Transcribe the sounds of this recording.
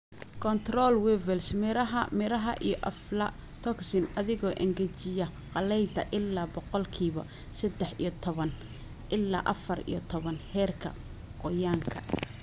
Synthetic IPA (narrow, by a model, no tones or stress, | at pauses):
kʰɔnt̪rɔlwɛvɛlsmɪɾɐɐmɪɾɐɦɐʔijɔʔɐflɐ | t̪ʰɔksɪnɐðɪɣɔːʔɛŋɡɛt͡ʃɪjɐ | qɑlɛjd̪ɐʔɪlːaːbɔqɔlkʰiːβɐ̰ | sɐd̪ɛħijɔt̪ʰɔβɐn | ʔɪlːa̰ːʔɐ̰fɐrḭjɔt̪ʰɔβɐnhɛːrkʰɐ̰ | qɔjaːŋkʰɐ